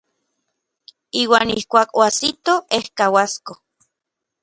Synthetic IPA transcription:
iːwaːnihkʷaːkoasit̪oehkawasko

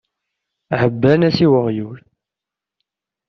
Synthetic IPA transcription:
həbːænæsiwəʁjul

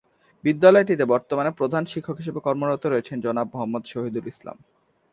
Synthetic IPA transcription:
bid̪ːalɔeʈit̪ebɔɾt̪omanepɾod̪ʱanʃikʰːokɦiʃebekɔɾmoɾot̪oɾoet͡ɕʰend͡ʑɔnab̚moɦamːod̪ʃoɦid̪ulisla̰m

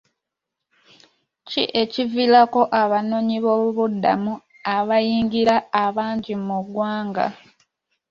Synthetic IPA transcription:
cḭʔe̞civilako̞ʔaβano̞ɲiβoːβuβudːa̰mu | aβajiːŋɡiɾaːβaːɲɟimuɡwaːŋɡa̰

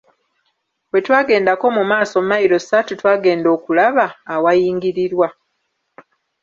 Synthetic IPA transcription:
we̞twaːɡe̞ːndako̞mumaːso̞mmajiɾo̞si̥atutwaːɡe̞ːndo̞ːkulaβaːwajiːŋɡiɾiɾwa

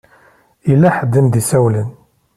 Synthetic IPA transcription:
ilːæħəd̪ːəmd̪isæwlən

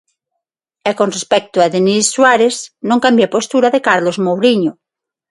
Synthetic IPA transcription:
ekonrespɛk̚t̪uaðenisːwaɾeznõŋkambjapost̪uɾaðekaɾlozmowɾiɲo

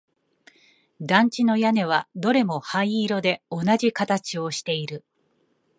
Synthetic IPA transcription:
d̪ãɲ̟t͡ɕino̞jane̞β̞ad̪o̞ɾe̞mo̞haiiːɾo̞d̪e̞o̞naʑikat̪at͡ɕio̞ɕi̥t̪e̞iɾɯ̟

